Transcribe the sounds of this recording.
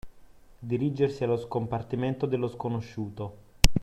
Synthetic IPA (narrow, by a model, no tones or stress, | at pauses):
d̪iɾid͡ʒersialoskompart̪iment̪od̪elːoskonoʃːuːt̪o